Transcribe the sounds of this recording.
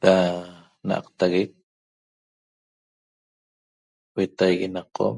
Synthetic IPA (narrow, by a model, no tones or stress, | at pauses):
ɾa | na̰ʔɑ̰qt̪aɣek̚ | wet̪ajɣenaqːoʔm